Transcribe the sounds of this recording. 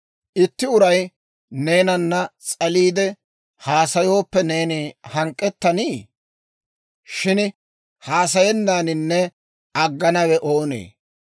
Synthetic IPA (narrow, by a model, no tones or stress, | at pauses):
ʔɪt̪ːɪʊɾɐj | ne̞ːnɐnːɐt͡sʼɐliːd̪ɛ | haːsɐjo̞ːpːɛne̞ːnihɐŋkʼːɛt̪ːɐniː | ʃɪn | haːsɐjɛnːaːnɪnːɛ | ɐɡːɐnɐwɛʔo̞ːnḛː